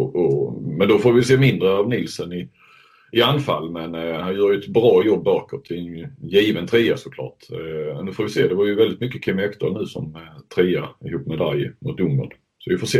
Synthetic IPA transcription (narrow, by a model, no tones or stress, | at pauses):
ʔɔmɛnd̪ɔfoːɾvɪjseːmɪnd̪ɾəɑvnɪlsənɪ | ɪanːfalːmɛnhanjœːɾjʏɛt̪bɾɑːjɔbːœɾkət̪ʰɪɛnjiːvənt̪ʰɾiːasʊkʰlɑ̰ːʈnʉ̟ːfoːɾvɪseːd̪ɛvaɾjɵvɛld̪ɪt̪mʏkːəkʰɪmːɛkt̪ʰəɳʉ̟ːsɔ̰mt̪ʰɾiːaɪhuːpːmɛd̪aljɪmʊt̪ɵmːə̰n | sɔvɪfoːʂseː